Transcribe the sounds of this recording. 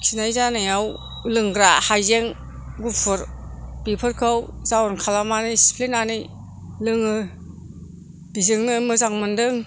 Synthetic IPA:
kʰinajzanɯjaw | lɯŋɡɾahajzeŋ | ɡupʰɯɾb̥ipʰɯɾkʰɯwzawɔnkʰalamanisi̥pʰlinani | lɯŋɯ | b̥izɯŋnɯmɯzaŋmɯndɯŋ

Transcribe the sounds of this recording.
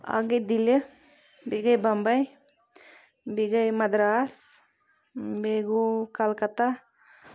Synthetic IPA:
a̰ɡəd̪ilə | biɡəjbɐmbəj | biɡəjmɐd̪ɾaːs | beɡukalkət̪a

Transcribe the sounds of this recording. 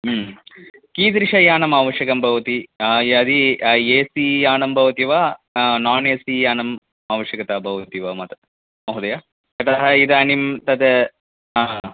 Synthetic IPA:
kiːd̪ɾiʂɐjaːnɐmaːʋɐʃjɐkɐmbʱɐʋɐt̪iɐd̪ieːsijaːnɐmbʱɐʋɐt̪iʋanaːneːsijaːnɐm | aːʋɐʃjɐkɐt̪aːbʱɐʋɐt̪iʋamɐt̪ɐ̥ | mɐɦud̪ɐjaː | kɐt̪ɐɦɐid̪animt̪ɐd̪e | aː

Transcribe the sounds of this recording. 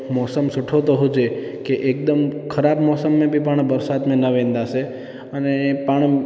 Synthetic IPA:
mɔsəmsʊʈʰot̪oɦod͡ʒe | keʔek̚d̪əmkʰəɾabmɔsəmːẽbʱipaɳ̃bəɾsat̪mẽnəʋẽnd̪aʃe | ənepaɳ̃i

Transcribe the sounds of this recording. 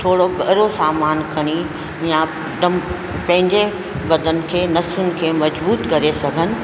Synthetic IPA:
t̪ʰoːɽoɡɐɦɾosaːmaːnkʰɐɽ̃i | jã | ɖɐm | pɐ̃ɦɪ̃ɲd͡ʑe | bɐd̪ʱənɪ̆kʰeːnɐsʊnɪ̆kʰeːmɐd͡ʑbuːt̪kɐɾesɐɡʱənɪ̆

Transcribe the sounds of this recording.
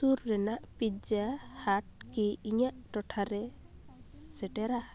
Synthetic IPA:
suɾːɛnaʔpid͡ʒahaʈ̚kiiɲaʔʈɔʈʰaɾɛ | sɛʈɛɾa

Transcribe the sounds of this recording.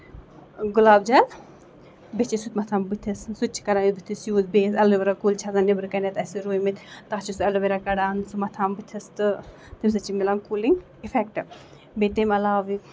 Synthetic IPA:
ɡulaːb̚d͡ʒɐl | bet͡ʃisut̪ʲmɐt̪ʰaːmbɨt̪ʰissut͡ʃʰi̥kɐɽaːnibɨt̪ʰisjuːzbeːsɐleʋeɾakuːlt͡ʃʰazanebɨɾkɐnet̪ɐsiɾuːjmit̪ʲt̪aɦt͡ʃʰisɐluʋeɾakɐɽaːnsumɐt̪ʰaːmbɨt̪ʰɐst̪ɨ | t̪ims̬ɐt͡ʃimilaːnkuːliŋɡ | ifʰɛkʈɨ | bet̪emɐlaːʋi

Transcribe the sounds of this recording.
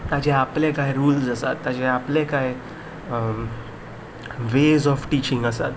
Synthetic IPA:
t̪at͡ɕɛaplẽkajɾuːlsəsat̪ːat͡ɕɛaplẽkaj | ʋezɔfʈit͡ɕĩŋɡəsa̰t̪

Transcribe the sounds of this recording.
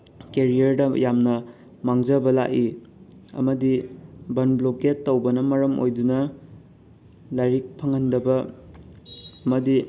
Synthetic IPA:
keɾiɐɾdɐjamnɐ | maŋzɐbɐla̰ki | ɐ̰mɐdibɐnbloketːowbɐnɐmɐɾɐmo̰jdunɐ | lajɾik̚pʰɐŋɐndɐbɐ | mɐdi

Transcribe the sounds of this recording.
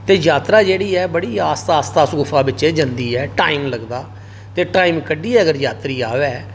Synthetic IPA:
t̪eːd͡ʒaːt̪ɾaːd͡ʒeːɽiːɛːbəɽiːaːst̪aːst̪aːsɡʊpʰaːbɪt͡ʃːt͡ʃeːd͡ʒənd̪iːɛːʈaːiːmləɡd̪aː | t̪eːʈaːiːmkəɖiːɛːəɡəɾjaːt̪ɾiːaːʋɛː

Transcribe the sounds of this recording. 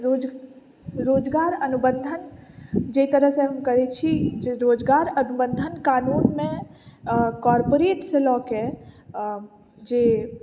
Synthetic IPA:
ɾod͡ʒ | ɾoːd͡ʒɡaːɾənubə̃nd̪ʱənd͡ʒeit̪əɾəɦsẽɦəmkəɾet͡ʃʰiɾoːd͡ʒɡaːɾənubə̃nd̪ʱənkaːnuːnmẽ | kɔːɾpoɾeːʈselɔːke | d͡ʒeː

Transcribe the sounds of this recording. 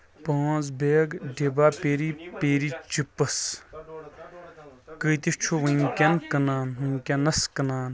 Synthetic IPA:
pɐ̃ːzbeːɡɖebaːpeːɾiːpeːɾiːt͡ʃipəs | kəːt̪it͡ʃʰuʋəŋkʲɐnkənaːnɦɨŋʲkʲɐnɐskɐnaːn

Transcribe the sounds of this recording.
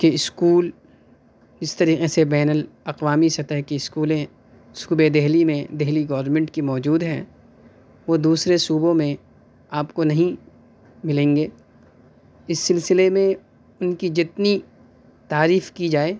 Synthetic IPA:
keɪskuːl | d͡ʒɪst̪ɐɾiːqesebɛːnəlɐqʋaːmisɐt̪əɦkiɪskuːlẽ | suːbed̪ɛɦlimẽd̪ɛɦliɡɐːɾnmẽɳʈkimɔːd͡ʒuːd̪ɦɛ̰̃ | ʋod̪uːsɾesuːbõmẽ | aːpkonɐɦĩ | mɪlẽːŋɡeː | ɪsːɪlsɪlemẽ | ʊnkid͡ʒɪt̪ni | t̪aːɾiːfkid͡ʒaːeː

